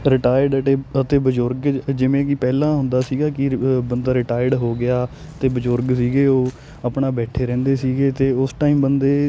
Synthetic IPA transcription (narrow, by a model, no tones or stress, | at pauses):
ɾɪʈaːjɖəʈeːət̪eːbəd͡ʒʊɾɡd͡ʒɪʋẽːkɪpɛːlãːɦʊ̃nd̪aːsiːɡaːkɪbənd̪aːɾɪʈaːɪɖɦoːɡɪaː | t̪eːbəd͡ʒʊɾɡsiːɡeːoː | əpɳaːbɛːʈʰeːɾɛ̃ːnd̪eːsiːɡeːt̪eːʊsʈaːiːmbənd̪eː